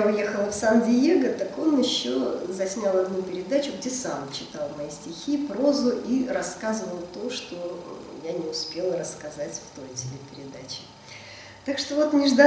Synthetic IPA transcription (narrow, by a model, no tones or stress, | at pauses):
ʊje̞xəlˠəfsɐndʲɪjeɡət̪ɐko̞njɪɕːozɐsʲnʲalˠɐd̪nupʲɪɾʲɪd̪at͡ɕʊɡdʲe̞samt͡ɕɪt̪ɑlˠmɐjisʲtʲɪxʲipɾo̞zʊʔiɾɐskazəvəlˠt̪o̞ʂt̪o̞ɪjanʲɪʊspʲe̞lˠəɾəskɐzatʲft̪o̞jtʲɪlʲepʲɪɾʲɪd̪at͡ɕɪ̥ | t̪akʂt̪ovo̞t̪mʲɪʐd̪a